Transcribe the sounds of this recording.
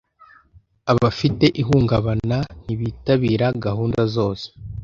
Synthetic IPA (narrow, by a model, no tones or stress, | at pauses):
aβafite̞ʔiɦuːŋɡaβanan̥iβiːtaβiːɾaɡahuːndazo̞ːse̥